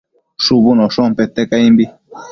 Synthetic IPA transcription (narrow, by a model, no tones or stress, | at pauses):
ʂubunoʂompet̪ekaimbi